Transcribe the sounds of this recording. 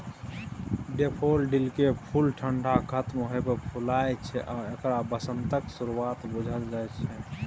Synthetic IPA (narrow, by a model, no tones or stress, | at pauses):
ɖepʰolɖilkepʰulʈʰəɳɖʱakʰət̪mɦojpəpʰulajt͡ʃʰɛʔaekɾabəsənt̪əksuɾuat̪bud͡ʒʱəld͡ʒajt͡ʃʰɛ